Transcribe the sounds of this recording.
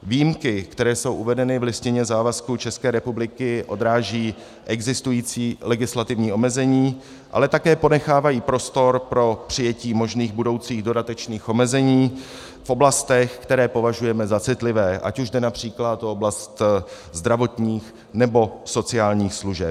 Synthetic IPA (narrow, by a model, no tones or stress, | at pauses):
vijimkɪkt̪ɛɾɛːso̞wʔuvɛdɛnɪvlɪscɪɲɛzaːvaskut͡ʃɛskɛːɾɛpublɪkɪʔo̞̰d̪ɾaːʒiː | ʔɛɡzɪst̪ujiːt͡siːlɛɡɪslat̪ɪvɲiːo̞mɛzɛɲiː | ʔa̰lɛt̪akɛːpo̞nɛxaːvajiːpɾo̞st̪o̞ɾpɾo̞pr̝̥ɪjɛciːmo̞ʒniːɣbudo̞wt͡siːɣdo̞dat̪ɛt͡ʃniːxʔo̞mɛzɛɲiː | fʔo̞blast̪ɛxkt̪ɛɾɛːpo̞vaʒujɛmɛzat͡sɪt̪lɪvɛːʔa̰cuʒdɛnapr̝̥iːklat̪ooblast̪ | zd̪ɾavo̞t̪ɲiːx | nɛbo̞so̞t͡sɪaːlɲiːxsluʒɛp̚